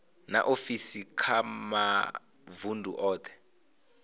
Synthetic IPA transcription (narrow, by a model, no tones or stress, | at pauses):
na̰ʔofisikʰama | vundʱṵʔɔːt̪ʰɛ̥